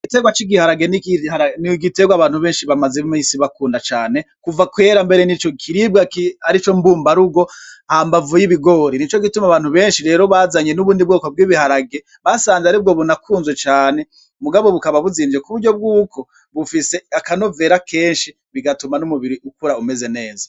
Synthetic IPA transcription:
iɡite̞ɡwat͡ʃiɡihaɾaɡe̞nihaniɡite̞ɡwaβaːn̥huβeːnʃiβamazemisiβakuːndat͡ʃaːne̞ | kuvakwe̞ːɾambe̞ɾenit͡ʃokʰiɾibɡaiaɾit͡ʃombuːmbaɾuɡo̞hambavujiβiɡo̞ɾinit͡ʃo̞ɡitumaβaːn̥huβe̞ːnʃiɾe̞ːɾo̞βazaɲenuβuːndibɡoːkob̚ɡiːβihaɾaɡe̞ | βasaːnzeaɾib̚ɡo̞βunakʰuːnzwet͡ʃaːne̞ | muɡaβo̞βukaβaβuziːnd͡ʒekuβuɾɟo̞b̚ɡuːkʰo̞ | βufise̞akano̞ve̞ːɾakʰeːnʃi | βiɡatumanumuβiɾiʔukuɾaume̞ze̞ne̞ːza

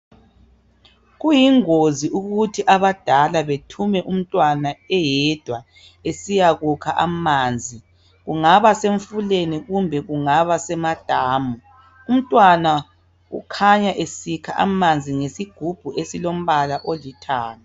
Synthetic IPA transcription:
ɣujiŋoziʔuɣutʰiʔaβad̥ʱalaβetʰumɛʔum̩tʼwanaɛjɛd̥ʱwa | esijaɣukʰaʔamaːnd͡zʱi | ɣuŋaβaseɱfuleniɣumbʱɛɣuŋaβasɛmad̥ʱaːmu | um̩tʼwana | ṵkʰaɲaʔesikʰaʔa̰mand͡zʱiŋesiɡ̥ʱub̥ʱuesilom̩βalaʔolitʰaːna

